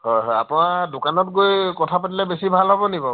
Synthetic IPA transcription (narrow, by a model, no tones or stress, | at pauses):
ɦɔjɦɔja̰pʊ̃nadʊkanɔtɡojkɔtʰapat̬ilɛbesibʱalɦɔbɔnibɔ